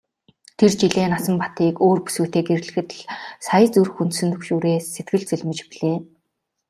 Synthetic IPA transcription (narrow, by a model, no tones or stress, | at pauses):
t̪ʰert͡ɕiɮeːnasə̆mpḁt̪iːkoːrpu̥suːt̪eːkeɾ̆ɮɘ̆xɘ̆t̪̆ɮsajə̆t͡surxunt̪sɘ̆nt̪ʰɵkʃuːɾeːsːet̪̚ɡɘ̆ɮt͡sɵɮmɘ̆t͡ɕpiɮeː